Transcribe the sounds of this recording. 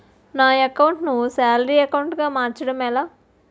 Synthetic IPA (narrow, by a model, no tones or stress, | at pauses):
naːɐkɐwuɳʈnusaːlɐɾiːɐkɐwɳʈɡaːmaːɾt͡ʃɐɽɐmɛlaː